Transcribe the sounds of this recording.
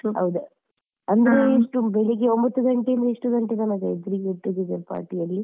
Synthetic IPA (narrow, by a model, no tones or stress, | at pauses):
ɦɐ̰ʋud̪u | ɐnd̪ɐɾeiʂʈubeɭeɡeombɐt̪ːuɡɐɳʈeind̪ɐiʂʈuɡɐɳʈeɡɐnɐɡɐed̪ɐɾiɡeʈːid̪iɡ̪ɐɾpa̰ːɾʈijɐlːi